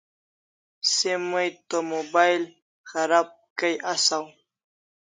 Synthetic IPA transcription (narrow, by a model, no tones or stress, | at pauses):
semujt̪omobajl | xaɾab̚kajʔasaw